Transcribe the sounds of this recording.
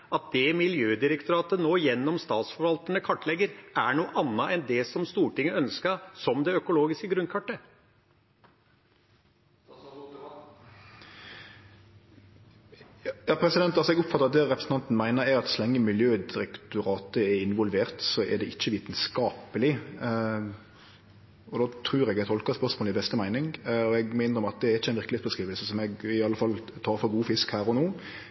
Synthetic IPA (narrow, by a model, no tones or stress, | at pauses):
ɑt̪̚d̪ɛmɪljøːd̪ɪɾɛkt̪ʊɾɑːt̪ənoːjɛnːɔmst̪ɑːt̪sfɔɾʋɑlt̪ənəkʰɑʈːlɛɡəɾʔæɳuːʔɑnːɑʔɛnd̪ɛsɔmst̪uːʈɪŋːəœnskəsɔmd̪ɛœkʊloːɡɪskəɡɾʉnkʰɑʈːə | jɑːpʰɾɛsɪd̪ɛnt̪ɑlsɔɛɡʊpfɑt̪əɾɑt̪̚d̪ɛʁɛpɾəsn̩ɑnt̪n̩mæɪnəɾɛɾɑt̪sɔlɛŋːəmɪljøːd̪ɪɾɛkt̪ʊɾɑːt̪əɛɪnʋɔlʋeːʁt̪sɔʔɛ̰d̪ɛʔɪçːəʋiːt̪ənskɑːpəlɪ | ɔd̪oːt̪ʰɾʉːɾɛɡɛt̪ʰɔlkəspœʁsmoːləɪbɛst̪əmæɪnɪŋɔɛɡmæɪnəɾɔmɑt̪̚d̪ɛæɾɪçːəɛnʋɪɾklɪet̪bəskɾʁiːʋəlsəsɔmɛɡɪɑlːəfɑlt̪ʰɑːɾfɔɡuːfɪskhæːɾɔnoː